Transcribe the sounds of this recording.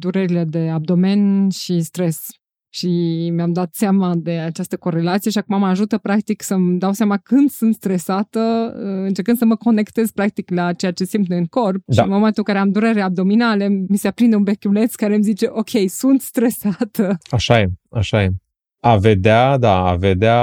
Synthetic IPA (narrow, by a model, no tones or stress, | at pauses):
d̪uɾeɾile̞d̪e̞ab̚d̪o̞me̞nʃist̪ɾe̞s | ʃimeamd̪at̪seamad̪e̞at͡ʃast̪əko̞ɾe̞lat̪sije̞ʃiakumamaʒut̪əpɾakt̪iksəmd̪awsamakɨnd̪sunt̪st̪ɾe̞sat̪əəɨnt͡ʃe̞rkɨnsəməko̞ne̞kt̪e̞zpɾak̚t̪iklat͡ʃe̞jat͡ʃe̞simneɨŋko̞rp̚ʃaimamat̪ukaɾeamd̪uɾe̞ɾeab̚d̪o̞minalemiseapɾind̪eunbekʲule̞t̪skaɾemzit͡ʃe̞ʔo̞kʲʰe̞jsunt̪st̪ɾe̞sat̪əaʃajea̰ʃajem | ave̞d̪ead̪aa̰ve̞d̪ea